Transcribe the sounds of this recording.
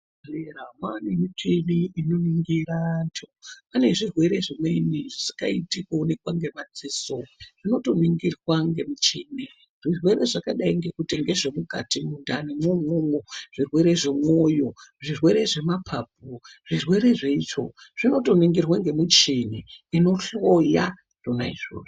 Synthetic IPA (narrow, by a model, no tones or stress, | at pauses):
eramwanemitʰiniinoniŋɡiɾantʰoane̞ʐirwe̞ɾe̞ʐimeiniʐisi̥kaitikuunekwaŋɡe̞mad͡ziːsoʐ̥ino̞to̞niŋɡirwaŋɡe̞mut͡ʃini | ʐirwe̞ɾe̞ʐakaɗaiŋɡe̞kutiŋɡe̞ʐemuka̰timundanemomumoʐ̥irwe̞ɾe̞ʐemwo̞jo̞ʐirwe̞ɾe̞ʐe̞mapʰap̚uʐ̥irwe̞ɾe̞ʐeit͡ʂoʐ̥ino̞to̞niŋɡirwaŋɡe̞mut͡ʃiniːno̞ɬoja | donaiʐo̰ro